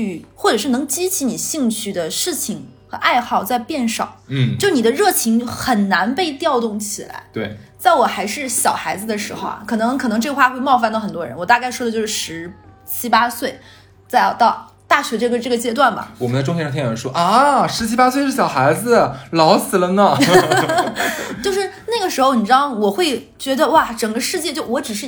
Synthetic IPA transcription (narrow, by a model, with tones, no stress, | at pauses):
y˧˩xwɔ˥˩ʈ͡ʂɤ˨˩ʂɻ̩˥˩nɤ˧˥ŋt͡ɕi˥t͡ɕʰi˧˥ni˨˩ɕi˥˧ŋt͡ɕʰy˥˩d̪ə˩ʂɻ̩˥˩t͡ɕʰi˨˩ŋxɤ˧˥ʔa˥˧ɪxɑ˥˧ʊt͡sa˥˧ɪpjɛ˥˩nʂɑ˨˩˦ʊn̩˥˩t͡ɕjni˨˩d̪ə˦ɻɤ˥˩t͡ɕʰi˧˥ŋxə˨˩nna˧˥npe˥˧ɪt̪jɑ˥˧ʊt̪ʊ˥˩ŋt͡ɕʰi˨˩la̰˧˥ɪt̪we˥˩ɪt͡sa˥˩ɪwɔ˨˩xa˧˥ɪʂɻ̩˥˩ɕjɑ˨˩ʊxa˧˥ɪd͡zɹ̩˧d̪ə˨˩ʂɻ̩˧˥xo˧a̰˩kʰɤ˨˩nɤ˧˥ŋkʰɤ˨˩nɤ˧˥ŋʈ͡ʂɤ˥˩ɡə˧xwa˥˧xwe˥˧ɪmɑ˥˧ʊfa˥˩nd̪ə˩xə˨˩nt̪wɔ˥ɻə̰˧˥nwɔ˨˩t̪a˥˧ka˥ɪʂwɔ˥d̪ə˧t͡ɕo˥˧ʊʂɻ̩˥˩ʂɻ̩˧˥ | t͡ɕʰi˥pa˥swe˥˩ɪ | t͡sa˥˧ɪjt̪ɑ˥˧ʊ | t̪a˥˩ɕɥɛ˧˥ʈ͡ʂɤ˥˩ɡə˧ʈ͡ʂɤ˥˩ɡə˩t͡ɕjɛ˥t̪wa˥˩nbɐ̰˩wɔ˨˩mə˦nt͡sa˥˧ʈ͡ʂʊ˥ŋʰt͡ɕʰjɛ˥˧ʂt̪ʰɛ˥˩˧ʂwɔ˥ʔʂɻ̩˧˥t͡ɕʰi˥pa˥swe˥ɪʂɻ̩˥˩ɕjɑ˨˩ʊxa˧˥ɪd͡zɹ̩˧lɑ˧˥ʊsɹ̩˨˩lə˦nə˨ | t͡ɕjo˥˧ʊʂɻ̩˥˧na˥˩ɡə˩ʂɻ̩˧˥xo˧ʊni˨˩ʈ͡ʂɻ̩˥ɑ˥˧˩ŋwɔ˨˩xwe˥˩ɪ | t͡ɕɥɛ˧˥d̪ə˧wa˥˩ʈ͡ʂə˨˩ŋɡə˦ʂɻ̩˥˧t͡ɕjɛ˥˧t͡ɕjo˥˩ʊwɔ˧˥ʈ͡ʂɻ̩˨˩ʂ̬ɻ̩˥˩